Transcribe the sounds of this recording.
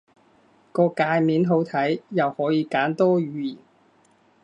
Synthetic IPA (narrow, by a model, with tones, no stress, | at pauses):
kɔː˧kaː˧jmiː˨˥nɦo˨˥wt̪ʰɐ˨˥jjɐ˨whɔː˨˥jiː˨˧kaː˨˥nt̪ɔː˥ɥyː˨˧jiː˨˩n